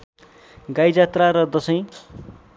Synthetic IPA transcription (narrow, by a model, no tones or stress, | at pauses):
ɡajd͡zat̪raɾʌd̪ʌsʌj̃